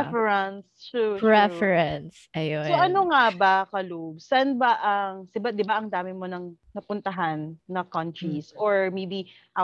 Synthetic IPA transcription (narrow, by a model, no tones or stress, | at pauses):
fɛɹɐnst͡ʃupɹɛfɛɹɐnsʔɐjossoʔɐnoŋabɐkɐlob̚sanbɐʔɐŋsɪbad̪ɪbaʔɐŋd̪aːmɪmonɐŋnɐpʊnt̪ɐɦanːɐkɐnt̪ɹisʔoɹmejbi | ʔɐ